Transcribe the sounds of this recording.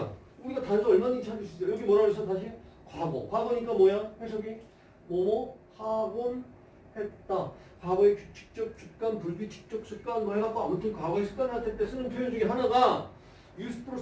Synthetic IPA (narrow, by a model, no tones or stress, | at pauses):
uɾiɡatansʰʌʌɭmaɲit͡ɕʰad͡ʑɯɕʰid͡ʑʌjʌɡimʌɾad͡ʑʌsʰʌtaɕʰin | kwaɡo̰kwaɡoɲik͈amwʌjaŋɸwesʰʌɡi | mʌmʌhaɡon | het̚t͈a | kwaɡoekut͡ɕʰi̥k̚t͡ɕ͈ʌk̚t͡ɕ͈ʰuk̚k͈anpuɭbit͡ɕʰi̥k̚t͡ɕ͈ʌk̚t͡ɕ͈ʰɯk̚k͈anɡɯɦeɡak͈ʰoamotʰɯnkwaɡoesʰɯ̥k͈̚aniatʰet͈e̞s͈ʰɯnɯnpʰjojond͡ʑuɡiɦanaɡa | jusʰɯ̥pʰɯɾo